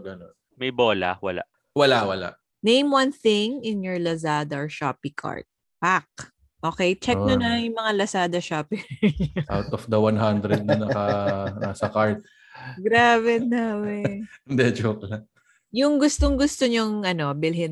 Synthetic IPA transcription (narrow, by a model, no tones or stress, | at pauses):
ɡɐnon | mɐjboːlɐ̰wɐ̰la̰ʔ | wɐlawɐla̰ʔ | nẽjmwanθɪŋɪnjɔɹlɐsad̪ɐɹʃa̰ːpɪkʰa̰ɹt̪̚ | pak̚ | ʔoːkɛjt͡ʃɛk̚nonɐŋjʊŋmɐŋalɐsaːd̪ɐʃapɪʔawt̪ɔfd̪ɐwanɦand̪ɾɛd̪̚nɐnɐkɐnasɐkaɹt̪̚ | ɡɾaːbɛnawɛnd̪ɛd͡ʒoklɐŋ | jʊŋɡʊst̪oŋɡʊst̪oɲoŋʔɐno̞bɪlɦɪn